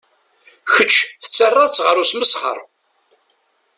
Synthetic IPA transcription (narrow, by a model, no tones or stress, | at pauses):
çət͡ʃːθə̥t͡sːərˤːɑðt͡sːʁəɾusməsχə̰ɾˤ